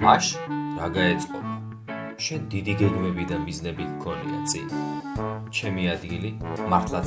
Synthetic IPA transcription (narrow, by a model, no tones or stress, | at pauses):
maʃɾaɡaɛt̪sʼqʼɔbʰa | ʃɛnd̪id̪iɡɛɡmɛbid̪amiznɛbit̪ʰkʰɔnḭa̰t̪sʼin | t͡ʃʰɛmiad̪ɡilimaɾt̪ʰlˠa